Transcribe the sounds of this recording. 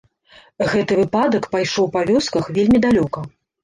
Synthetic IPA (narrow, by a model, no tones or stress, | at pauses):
ɣɛt̪ɨvɨpad̪ɐkpajʂɔwpavʲɔskɐxvʲelʲmʲid̪alʲɔkɐ